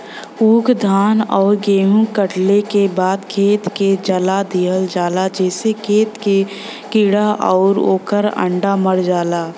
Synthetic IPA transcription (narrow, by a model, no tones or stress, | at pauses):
uːkd̪ʱaːnɔːɾɡeːɦũkəʈlekebaːd̪kʰeːt̪ked͡ʒəlad̪ʱiːɦəld͡ʒaːlad͡ʒɛːsekʰeːt̪ke | kɪɽaʔɔːɾo̰ːkəɾə̰̃ɳɖaməɽd͡ʒaːlaː